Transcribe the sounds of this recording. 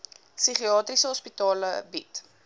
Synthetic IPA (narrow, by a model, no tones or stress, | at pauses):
siχiɑːtrisəɦɔspitɑːləbit